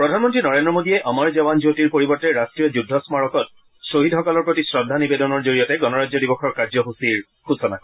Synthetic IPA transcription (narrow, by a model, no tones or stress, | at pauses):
pɹɔdʱanmɔntɹinɔɹendɹɔmodiɛʔamaɹzɛbanzotiɹpoɹibɔɹtɛɹastɹijɔd͡ʒudʱːɔsmaɹɔkɔt̚ | soɦidhɔkɔlɔɹpɹotisɹɔdʱːanibedɔnɔɹzoɹijɔtɛɡɔnɔɹad͡ʒzɔdibɔxɔɹkaɹzɔɦusiɹ | xusɔna̰k